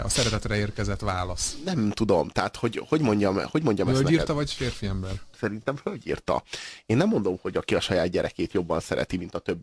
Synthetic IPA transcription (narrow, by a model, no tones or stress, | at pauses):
ɒ̰sɛɾɛt̪ɛt̪rɛeːrkɛzɛt̪ʋaːlɒsnɛmt̪ud̪o̞mt̪ɛɦat̪ho̞ɟho̞ɟmo̞ɲɟɒmho̞ɟmo̞ɲɟɒmɛsnɛiːɛrt̪ɒvɒɟfeːrfiɛmbɛrsɛɾint̪ɛmfølɟḭːrt̪ɒ̰eːnːɛmːo̞nd̪o̞mho̞ɟɒkiɒʃɒjaːd̪̚ɟɛɾʔɛkeːt̪jo̞bːɒnsɛɾɛ̰t̪imint̪ɒt̪ø̞bːi